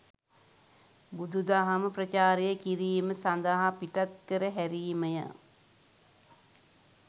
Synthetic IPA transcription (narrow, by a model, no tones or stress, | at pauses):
bud̪ʱud̪aɦaməprət͡ʃaːɾejəkiɾiːməsand̪aɦapiʈat̪̚kəɾəɦæɾiːməja̰